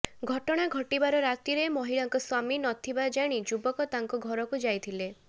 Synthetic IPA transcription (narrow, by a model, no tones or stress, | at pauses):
ɡʱɔʈɔɽ̃aɡʱɔʈibaɾɔɾat̪iɾemɔɦiɭaŋkɔswaminɔt̪ʰibad͡ʒaɽ̃id͡ʒubɔkɔt̪aŋkɔɡʱɔɾɔkud͡ʒajt̪ʰile